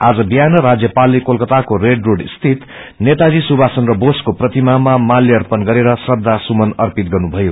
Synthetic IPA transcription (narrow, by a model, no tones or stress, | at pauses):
ad͡zʌbijanʌɾad͡zjʌpalːekolkʌt̪akoreɖroɽist̪ʰit̪ | net̪ad͡zisubʱasʌnrʌboskoprʌt̪imamamalːeʌrpʌnɡʌɾeɾʌsʌd̪ʱːasumʌnʌrpit̪̚ɡʌrnubʱʌjo